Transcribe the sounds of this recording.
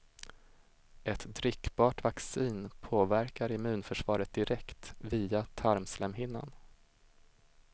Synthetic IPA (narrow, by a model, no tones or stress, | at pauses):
ʔɛt̪d̪ɾʏkːbɑːʈvaksiːnpʰoːvæɾkaɾɪmʉ̟ːnfœʂvɑːɾət̪̚d̪ɪɾɛkt̪viːat̪ʰaɾmslɛmhɪnːa̰n